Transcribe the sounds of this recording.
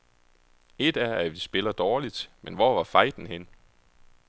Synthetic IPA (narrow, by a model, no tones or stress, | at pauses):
e̝d̥æɐæʋisb̥e̝lɐd̥ɒːlid̥menʋɒʋɑ̈fɑ̈ɪd̥n̩hen